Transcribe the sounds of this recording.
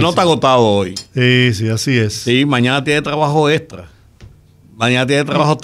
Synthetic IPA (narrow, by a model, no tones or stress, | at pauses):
not̪aɣot̪aðoojsisiasiessimãɲãnat̪̬jenet̪ɾaβaxoest̪ɾa | mãɲãnat̪jenet̪ɾaβahot̪